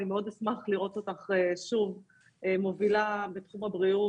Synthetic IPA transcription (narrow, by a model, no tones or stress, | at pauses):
nimeo̞d̪esmaχliʁo̞totaχeʃuv | movilabet̪χumabʁiu